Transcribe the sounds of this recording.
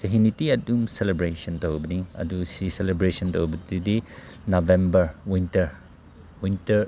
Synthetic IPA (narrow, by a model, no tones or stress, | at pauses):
d͡ʒɐɦinitiɐdumselebɾesɐntʰɐobɐniɐ̰dusiselebɾesɐntʰɐubɐtudi | nobembɐɾwintɐɾ | wintɐɾ